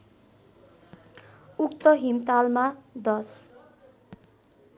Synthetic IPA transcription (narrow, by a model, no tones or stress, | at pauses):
ukt̪ʌɦimt̪almad̪ʌs